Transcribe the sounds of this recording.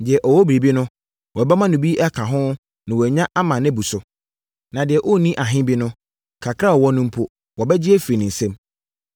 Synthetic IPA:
dɪ˨ɛ˨ʔɔ˨wɔ˦bi˨ɾi˨bi˦nʊ̃˦ | wɔ˨bɛ˦mã˦nʊ̃˨bi˦ʔɛ˦kʰã˨ɦʊ̃˦ | nɪ̃˨wɔ˨ɲã˦ʔa˦mã˨nɛ̃˦bu˨sʊ˨ | nã˨dɪ˨ɛ˨ʔɔ˦˨nĩ˦ʔa˨ɦɪ̃˦bi˦nʊ̃˦ | kʰa˨kʰɾa˦˨ɔ˨wɔ˦nʊ̃˦m̩˦pʰʊ˦ | wɔ˨bɛ˦d͡ʑɪ˦ɛ˦fi˨nɪ̃˨n̩˨sɛ̃˦m

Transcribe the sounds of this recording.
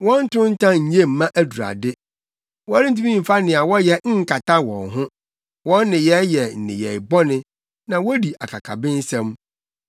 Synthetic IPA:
wɔ̃˦n̩˦tʰʊ̃˦n̩˦tʰã˦ɲ̩˨ɲe˦˨m̩˨mã˦ʔæ˦du˨ɾa̰˨dɪ˦ | wɔ˦ɾɪ˦tʰi˦mĩ˦m̩˨fa˦nɪ̃˨a˨wɔ˦jɛ˨ŋ̩˦kʰa˨tʰa˦wɔ̰̃˨nɦʊ̃˦ | wɔ̃˦n˦nɪ̃˨jɛ˦jɛ˨n̩˨nɪ̰̃˨jɛ˨bɔ˦nɪ̃˦ | nã˨wɔ˦di˨ʔa˨kʰa̰˨kʰa̰˨bɪ̃˦n̩˦sɛ̃˦m

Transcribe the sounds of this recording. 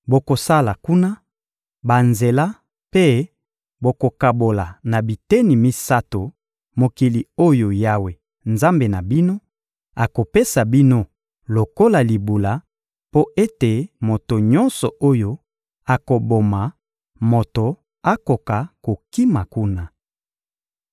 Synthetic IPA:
bo˨ko˨sa˦la˨ku˦na˦ | ba˨nze˨la˦ | pe˦ | bo˨ko˨ka˨bo˨la˨na˨bi˨te˦ni˨mi˦sa˦to˨ | mo˨ki˨li˨o˦jo˨ja˦we˨ | nza˦mbe˨na˨bi˦no˦ | a˨ko˨pe˦sa˨bi˦no˦ | lo˨ko˦la˨li˨bu˨la˨ | po˦ʔe˦te˨mo˨to˨ɲɔ˦nsɔ˨ʔo˦jo˦ | a˨ko˨bo˨ma˨ | mo˨to˨ | a˦ko˨ka˨ko˨ki˦ma˨ku˦na˦

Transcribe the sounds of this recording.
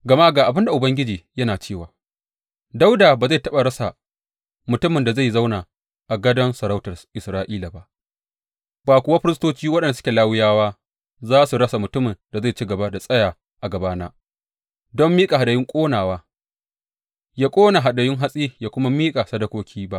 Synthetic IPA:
ɡɐ˨ma˦ʔɡaː˨ʔa˨bɪ˦nda˨ʔʊ˨bɐ˦ŋɡʲɪ˦d͡ʒiː˨jɐ˦naː˨t͡ʃeː˦˨waː˨ | da˦wdaː˨baː˨za˦˨tɐ˦ɓa˨ɽɐ˦sa˨ | mʊ˨tʊ˦mɪ˨nda˨za˦˨za˦wnaː˨ | ʔa˨ɡɐ˦dɐ˦nsɐ˨ɾa˦wtɐ˨ʔɪ˨sɾaː˦ʔiː˦la˨ba˦˨ʔ | baː˨kʷʊ˦wa˦ɸɪ˦ɾɪ˦stoː˦t͡ʃiː˦wɐ˦ɗɐ˨ndsʊ̥˦kʲe˨laː˦wɪ˦jaː˦waː˦ | zaː˦su˨ɾɐ˦sa˨mʊ˨tʊ˦mɪ˨nda˨za˦˨t͡ʃiː˦ɡɐ˨ba˦da˨sʼɐ˦jaː˨ | ʔa˨ɡɐ˨baː˦naː˦ | dɔ˦mːiː˦kʼa˨ɦa˨ɗa˨jɪ˦ŋkʷʼoː˦naː˨waː˦ | jaː˦kʷʼoː˦na˨ɦa˨ɗa˨jɪ˦ŋɦa˦sʼiː˦jaː˨kʷʊ˦ma˦miː˦kʼa˨sɐ˦dɐ˦kʷoː˦kʲʰiː˦ba˦ʔ

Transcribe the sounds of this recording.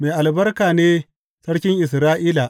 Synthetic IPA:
meː˨ʔa˨lbɐ˦rkaː˨neː˦ | sɐ˦ɽkʲɪ˦ŋʔɪ˨s̬ɾaː˦ʔɪ˦laː˨ʔ

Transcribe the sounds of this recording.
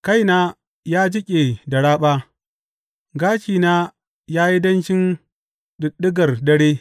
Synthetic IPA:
ka˦jnaː˦ | jaː˦d͡ʒɪ˦kʲʼe˨dɐ˨ɽaː˦ɓaː˦ | ɡaː˦ʃiː˨naː˦ | jaː˦ji˦dɐ˦nʃɪ˦n | ɗʊ˨ɗɪ˦ɡɐ˨rdɐ˦ɽeː˦

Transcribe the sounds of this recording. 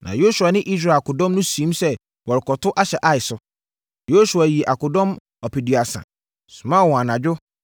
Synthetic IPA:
nʔã̰˨jo˦su˨a˨nɪ̃˦ʔi˦s̬ɾa˨a˨kʊ˨dɔ̃˦mnʊ̃˦sĩ˨˦m˦sɛ˦ | wɔ˨ɾɪ˨kɔ˨tʰʊ˦ʔa˦ɕɛ˨ʔa˦ɪ˨sʊ˦ | jo˦su˨a˨ji˨e˨ʔa˨kʊ˨dɔ̃˦m | ɔ˨pʰi˨dɥa˨sã̰˨ | sʊ̃˨mã˦˨wɔ̃˨a˨nã˨d͡ʑᶣʊ˦

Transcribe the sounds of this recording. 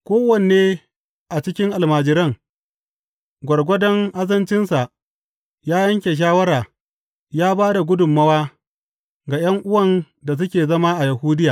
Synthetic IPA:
kʷoː˦wɐ˨n˨eː˦ | ʔa˨t͡ʃɪ˦kʲɪ˦ŋʔa˨lmaː˨d͡ʒɪ˨ɾɐ˦ŋ | ɡʷɐ˨ɽɡʷɔ˦dɔ˦ŋʔa˦zɐ˦nt͡ʃɪ˦nsa˨ | jaː˦jɐ˦ŋkʲe˨ʃ̬aː˦wɐ˦ɾaː˨ | jaː˦baː˦da˨ɡʷʊ˦dʊ˨mːɐ˦waː˦ | ɡa˨j̰ɐ˦ŋʔʊ˦wɐ˨n | da˨s̬ʊ˦kʲeː˨zɐ˦ma˦ʔa˨jɐ˨huː˦dɪ˦jaː˨

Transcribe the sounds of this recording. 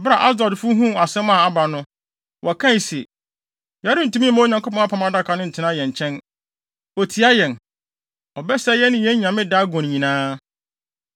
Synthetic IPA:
ɔ˨ba˨ʔa˦sdɔ˨dfʊ˦ɦũ˦a˨sɛ̃˦mã˦˨a˦ba˨nʊ̃˦ | wʔɔ˨kʰã˦˨se˨ | ja˨˦ɾɪ̃˦n̩˨tũ˦mĩ˦mã˦o˨ɲã˨ŋko˦pʰɔ̃˦a˦pʰã˨ma˦da˦kʰa˨˦nʊ̃˦n̩˨tʰɪ̃˨nã˦jɛ̃˨ɲ̩˨t͡ɕʰɛ̃˦n | ɔ˨tʰi˨a˦jɛ̃˨n | ɔ˨bɛ˦sɛ˦jɛ˦nɪ̃˦jɛ˦ɲã˨mɪ̃˦da˦ɡɔ̃˨n˨ɲĩ˨nãː˦

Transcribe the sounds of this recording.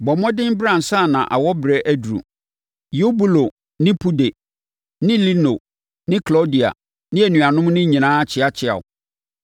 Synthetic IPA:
bɔ˨mɔ̃˦dɪ̃˦m˦bɾã˨n̩˨sa˦˨nã̰˨ʔa̰˨wɔ˦bɾɛ˨ʔæ˦dɾṵ˨ | jo˦bu˦lo˨ | nɪ̃˦pʰu˦de˨ | nɪ̃˦li˦no˨ | nɪ̃˦kʰlo˦di˨a̰˨ | nɪ̃˦æ˨nũ˨a˨nʊ̃˦m˦nɪ̃˦ɲĩ˨nãː˦t͡ɕʰɪ˦a˦t͡ɕʰɪ˦a̰˨wʊ̰˨

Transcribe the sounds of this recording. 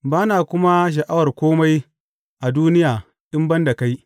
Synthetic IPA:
baː˦naː˨kʷʊ˦ma˦ʃ̬ɐ˨ʔa˦wɐ˨rkʷoː˦ma˦j | ʔa˨duː˦nɪ˦jaː˨ | ɗɪ˦mbɐ˦nda˨ka˦j

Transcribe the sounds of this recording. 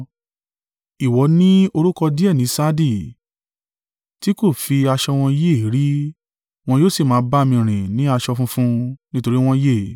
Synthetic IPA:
i˨wɔ˨˦nĩ˦o˧ɾu˦kɔ˧di˦ɛ˦˨nĩ˨˦sa˦di˦˨ | ti˦ko˦˨fi˧a˧ʃɔ˧w̃ɔ̃˧je˦˨i˨˦ɾi˦ | w̃ɔ̃˧joː˦˨si˦˨mãː˨˦ba˦˧mĩ˧˨ɾ̃ĩ˨nĩ˨˦a˧ʃɔ˧fũ˦fũ˦nĩ˦to˧ɾi˦w̃ɔ̃˧je˦˨

